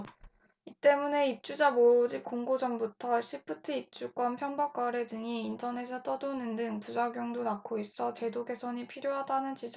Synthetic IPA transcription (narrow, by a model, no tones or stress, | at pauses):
it͈e̞mune̞ip̚t͡ɕ͈ud͡ʑamod͡ʑip̚k͈oŋɡod͡ʑʌmbutʰʌɕʰip͈ʰɯtʰɯip̚t͡ɕ͈uk͈wanpʰjʌnbak͈aɾedɯŋiːntʰʌne̞sʰʌt͈ʌdonɯndɯŋpud͡ʑaɡjoŋdonakʰois͈ʌt͡ɕe̞doɡe̞sʰʌɲipʰiɾjoɦadanɯnt͡ɕid͡ʑʌ